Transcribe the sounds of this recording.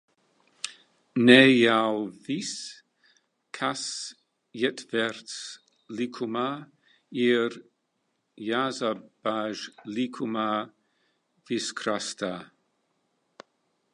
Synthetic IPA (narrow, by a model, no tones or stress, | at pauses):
nɛjawvis | kʰas | jɛtvɛɹts | likʰuma | iɾ | jazab̥aʒlikʰuma | viskʰɾasta